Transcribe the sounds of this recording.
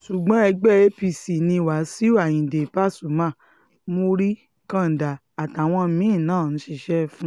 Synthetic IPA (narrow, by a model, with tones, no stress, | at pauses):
ʃu˨ɡ͡bɔ̃˨˦ɛ˧ɡ͡bɛ˦˨e˦pi˧˨si˨nĩ˧˨wa˨˦si˦o˦a˨jĩ˨de˨pa˦˨su˨mã˦˨ | mo˧ɾi˦ | kã˦n̩˨da˨ | a˨ta˨w̃ɔ̃˧˦mĩ˨˦ĩ˦˨nãː˦˨ñ̩˨˦ʃi˧ʃɛ˦fũ˦